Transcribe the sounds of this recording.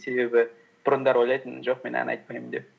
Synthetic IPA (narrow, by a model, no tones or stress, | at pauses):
se̞be̞bɪ | b̥ʊɾʊnd̪ɑɾwojlˠɑjt̪ənʒo̞q̚me̞nɑ̰nɑ̰jt̪̚pɑjmənd̪ep̚